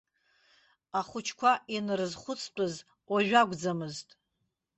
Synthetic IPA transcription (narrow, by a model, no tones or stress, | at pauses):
aχʷʊt͡ʃʰkʷʰainrɨzχʷʊt͡sʰt͡pʼɨz | waʒᶣaɡʷd͡zamɨztʼ